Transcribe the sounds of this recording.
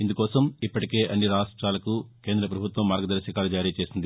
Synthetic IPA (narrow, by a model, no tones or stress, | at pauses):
ind̪ukɔːsɐmipːɐʈike̞ːʔɐnːiɾaːʂʈɾaːlɐkuke̞ːnd̪ɾɐpɾɐbʱut̪ʋɐmːaːɾɡɐd̪ɐɾɐʃikaːlud͡ʒaːɾiːt͡ʃe̞ːsind̪i